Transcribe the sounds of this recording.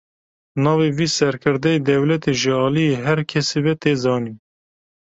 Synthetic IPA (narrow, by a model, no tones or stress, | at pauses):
nɑːveviːsɛɾkʰɨɾd̪ɛed̪ɛwlɛt̪eʒɨɑːlijeɦɛɾkʰɛsebɛt̪eːzɑːni